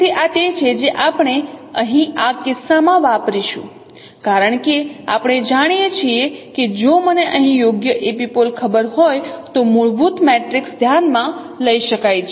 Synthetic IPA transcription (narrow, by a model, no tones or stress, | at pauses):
iʔat̪et͡ʃʰed͡ʒeʔapɳ̃eəɦĩakɪsamãʋapɾiʃṵ̃ | kaɾəɳkea̰pɳ̃ed͡ʒaɽ̃jet͡ʃʰieked͡ʒoməneʔəɦĩjoɡjəʔepipolkʰəbəɾɦojt̪omuɭbut̪meʈɾiksd̪ʱjanmã | ləiʃəkajt͡ʃʰe